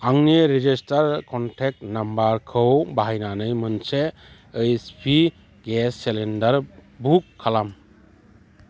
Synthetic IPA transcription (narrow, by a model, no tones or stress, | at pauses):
aŋniɾed͡ʒistaɾkʰɔntʰek̚tnambaɾkʰɯwbaɦajnanɯjmɯnseː | jspʰi | ɡesːelendaɾbukʰːalam